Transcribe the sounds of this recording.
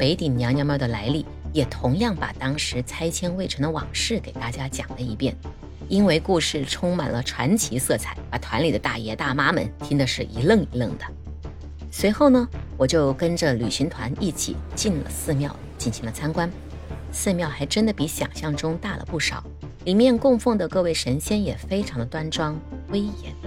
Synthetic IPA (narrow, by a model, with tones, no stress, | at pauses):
pe˧˥ɪt̪i˨˩ŋnjɑ˧˥ŋnjɑ˥mjɑ˥˩d̪ə˨˩la˧˥ɪli˥˩ | jɛ˨˩t̪ʰʊ˧˥ŋjɑ˥˩ŋpa̰˨˩t̪ɑ˥ŋʂɻ̩˧˥t͡sʰa˥ɪt͡ɕʰjɛ˥nwe˥˩ɪʈ͡ʂʰɤ˧˥d̪ə˧wɑ̰˨˩ŋʂɻ̩˥˩ke˨˩ɪt̪a˥˩t͡ɕja˥t͡ɕjɑ̰˨˩ŋd̪ə˦i˧˥pjɛ˥˩n | i˥nwe˥˧ɪku˥˧ʂɻ̩˥˩ʈ͡ʂʰʊ˥ŋma̰˨˩nlə˦ʈ͡ʂʰwa˧˥nt͡ɕʰi˧˥sɤ˥˧˩t͡sʰa˨˩ɪpa˨˩t̪ʰwa˧˥nli˨˩d̪ə˦t̪a̰˥˩jɛ˧˥t̪a˥˩ma˥mə̰˧˥nt̪ʰi˥ŋd̪ə˨ʂɻ̩˥˩ʔi˧˥lɤ˥˩ŋi˧˥lə˥˩ŋd̪ə˩ | swe˧˥ɪxo˥˩ʊnə˩wɔ˨˩t͡ɕjo˥˩ʊkə˥nʈ͡ʂə˨ly˨˩ɕi˧˥nt̪ʰwa˧˥ni˥˩t͡ɕʰḭ˨˩˦t͡ɕi˥˩nlə̰˨˩sɹ̩˥˧mjɑ˥˩ʊ | t͡ɕi˥˩nɕi˧˥ŋlə˧t͡sʰa˥nkwa˥n | sɹ̩˥˧mjɑ˥˩ʊxa˧˥ɪʈ͡ʂə˥nd̪ə˨˩pi˧˥ɕjɑ̰˨˩ŋɕjɑ˥˩ŋʈ͡ʂʊ˥ŋt̪a˥˩lə̰˩pu˥˩ʂɑ˨˩˦ʊ | li˨˩mjɛ˥˧nkʊ˥˧ŋfɤ˥˩ŋd̪ə˩kɤ˥˧we˥˩ɪʂə˧˥nɕjɛ˥njɛ˨˩fe˥ɪʈ͡ʂʰɑ˧˥ŋd̪ə˧t̪wa˥nʈ͡ʂwɑ˥ŋwe˥ɪjɛ˧˥n